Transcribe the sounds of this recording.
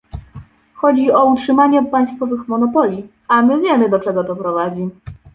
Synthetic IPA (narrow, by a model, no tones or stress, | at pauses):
xɔd͡ʑiɔutʂɘmaɲɛpaj̃st̪fɔvɘxmɔnɔpɔlʲi | amɘvʲjɛmɘd̪ɔt͡ʂɛɡɔd̪ɔpɾɔvad͡ʑi